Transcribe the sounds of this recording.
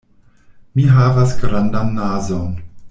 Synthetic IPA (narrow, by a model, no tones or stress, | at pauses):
miɦavasɡɾandanːazon